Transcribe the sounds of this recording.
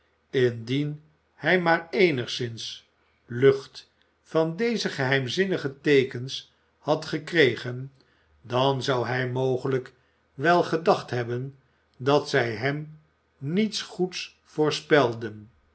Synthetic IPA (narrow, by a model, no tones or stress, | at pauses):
ɪndin | hɛjmaːɹejnəχsɪns | lɵχt | fɑndejzəχəɦɛjmzɪnəχətejkəns | hɑtχəkrejχən | dɑnzɑwɦɛjmowχələk | ʋɛlˠχədɑχtɦɛbən | dɑtsɛjɦɛm | nitsχuts | fʊːɹspɛlˠdən